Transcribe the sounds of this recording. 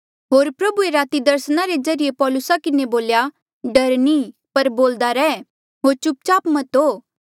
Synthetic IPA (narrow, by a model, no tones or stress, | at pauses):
ɦoːɾpɾɐbueɾaːt̪id̪ɐɾsnaɾezɐɾijepɔːlʊsakɪneboːlja | ɖɐɾnipɐɾboːld̪aɾɛː | ɦoːɾt͡ʃʊp̚t͡ʃaːpmɐt̪oː